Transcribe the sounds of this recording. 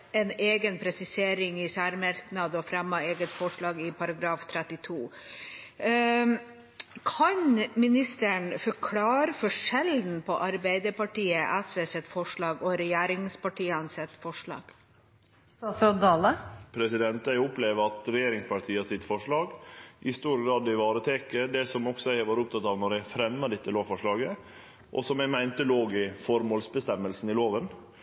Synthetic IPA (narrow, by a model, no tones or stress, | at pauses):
ɛneːɡənpʰɾɛsɪseːɾɪŋɪsæːɾmɑɾknɑd̪ɔfɾɛmːɑeːɡət̪fɔʂɭɑːɡɪpʰɑɾɑɡɾɑːft̪ʰɾɛt̪ɪt̪ʰuː | kʰɑɲmɪnɪst̪əɳfɔkʰlɑːɾəfɔʂɛld̪n̩pʰɔʔɑɾbæɪd̪əpɑʈiːəʔæsʋeːsɛt̪fɔʂɭɑːɡɔɾɛjeːɾɪŋspɑʈʰiːənsɛt̪ːfɔʂɭɑ̰ːɡ̥ | ɑsɔd̪ɑləpʰɾɛsɪd̪ɛnt̪æɪʊpleʋəɾɑt̪ɾɛjeːɾɪŋspʰɑʈʰiːəɑsɪt̪ːfɔʂɭɑːɡʔɪst̪uːɾɡɾɑːd̪ɪʋɑːɾət̪ʰɛkəd̪ɛsɔmɔksɔæɪʋɑːɾəʊp̚t̪ʰɑt̪ːɑːʋnɔɾjæɪfɾɛmːəɖɛt̪ːəloːʋfɔʂɭɑːɡə | ʔɔ̰sɔmæɪmæɪnt̪əloːɡɪfɔɾmoːlsbəst̪ɛmːəlsn̩ɪloːʋən